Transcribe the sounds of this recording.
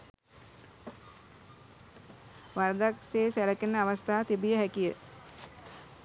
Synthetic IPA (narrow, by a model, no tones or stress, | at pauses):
ʋaɾd̪akseːsæləkenːəaʋast̪aːt̪ibijəɦækijə